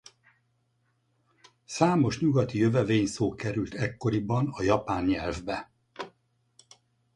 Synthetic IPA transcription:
saːmo̞ʃɲuɡɒt̪ijøvɛveːɲsoːkɛɾylt̪ɛkːo̞ɾibɒnɒjɒpaːnɲɛlvbɛ

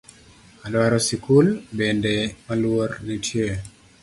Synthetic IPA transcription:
alwaɾɔsikulbendemalwornitʰje

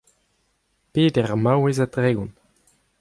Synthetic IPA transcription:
peːtɛʁmawezatʁeːɡun

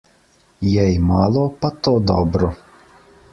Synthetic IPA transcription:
jɛjmalˠoːpat̪oːd̪ɔ̰bɾu

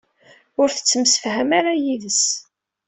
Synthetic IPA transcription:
ʊɾθə̥t͡sːəmsə̥fhəmaɾajiðəs

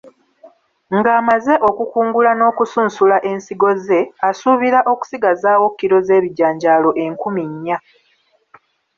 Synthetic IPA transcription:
ŋɡaːmaze̞ʔo̞kukuːŋɡulano̞ːkusuːnsulaʔe̞nsiɡo̞ze̞asuβiɾaʔo̞ku̥siɡazaːwo̞kːiɾo̞ze̞ːβiɟaːɲɟaːlo̞ʔe̞ŋkumiɲːa

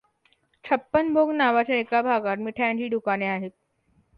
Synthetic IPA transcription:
t͡ɕʰəpːənbʱoɡnaʋat͡ɕaekabʱaɡat̪miʈʰajãɲt͡ɕiːɖukaneaɦet̪̚

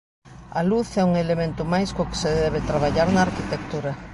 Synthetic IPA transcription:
aluθɛuŋelemẽnt̪ʊmajskʊkɪ̥seðɛβ̞ɪt̪ɾaβ̞aʎaɾnaːɾkit̪ek̚t̪uɾɐ

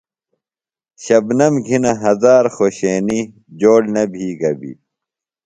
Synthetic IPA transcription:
ɕɐbnɐmɡʱinɐɦɐzaːɾxoːɕeːni | d͡ʑoːɽnɐbʱiːɡɐbḭ

